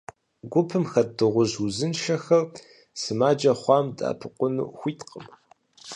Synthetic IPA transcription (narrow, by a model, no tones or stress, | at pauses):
ɡʷʊpʰɨmxɐdɨʁʷʊʑuzɨnʃɐxɐr | sɨmaːd͡ʒɐχʷɑːmda̰ːpʰɨqʷʊnṵːxʷiːtʰqəm